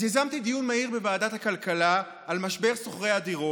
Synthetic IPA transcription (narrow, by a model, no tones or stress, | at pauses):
jazamt̪id̪ijunmaiʁbe̞vaːdat̪hakalkala | almaʃbe̞ʁsoχʁejad̪iʁo